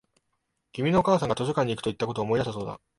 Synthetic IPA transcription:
ɡʲimʲino̞ːkaːsãŋɡat̪o̞ɕokãɲ̟ːikɯ̟t̪o̞it̪ːako̞t̪oːmo̞id̪asaso̞ːd̪a̰

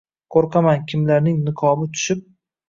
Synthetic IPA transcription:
qʰoɾqʰamankʲʰɪmlaɾnɪŋnɪqʰɒmɪt̪ʰʊ̥ʃɪp̚

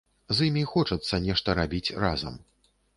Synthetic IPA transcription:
zimʲixɔt͡ʂɐt̪sːɐnʲɛʂt̪ɐɾabʲit͡sʲrazɐ̰m

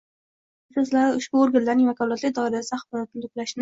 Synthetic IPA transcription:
ɪsɒzlaɾɪʊʃbʊoɾɡʲanlaɾnɪŋvakʰɒlˠat̪lɪkʲd̪ɒɪɾasd̪aχbɒɾt̪ɪlʊplaʃn

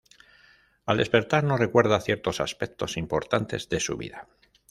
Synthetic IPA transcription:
ald̪e̞spe̞ɾt̪aɾno̞re̞kwe̞ɾðaθje̞ɾt̪o̞saspe̞k̚t̪o̞simpo̞ɾt̪ant̪e̞zðe̞suβḭða

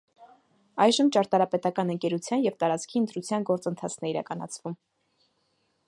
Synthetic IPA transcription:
ɑjʒəmt͡ʃɑɾt̪ɑɾɑpɛt̪ɑkɑnəŋkɛɾut͡sʰjɑnjɛvt̪ɑɾɑt͡skʰiənt̪ɾut͡sʰjɑnɡɔɾt͡sənt̪ʰɑt͡sʰnɛiɾɑ̰kɑnɑ̰t͡sʰvum

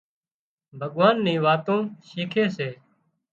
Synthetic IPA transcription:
bʱəɠʋaːnːĩːʋaːt̪õːʃiːkʰeːseː

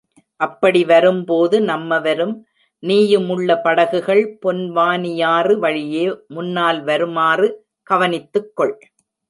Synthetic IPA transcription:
ʔɐpːɐɽiʋɐɾɯmpoːðɯnɐmːɐʋɐɾɯm | niːjɯmɯɭːɐpɐɽɐɣɯɣɐɭpɔnʋaːnɪjaːrɯʋɐɻɪjeːmʊnːaːlʋɐɾɯmaːrɯ | kɐʋɐnɪt̪ːɯkːɔɭ

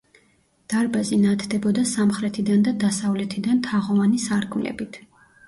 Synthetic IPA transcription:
d̪̥aɾbazinat̪ʰd̪ɛbɔd̪asamχɾɛt̪ʰid̪and̪ad̪asavlɛt̪ʰid̪ant̪ʰaʁɔvanisaɾɡʰmlɛ̰bit̪ʰ

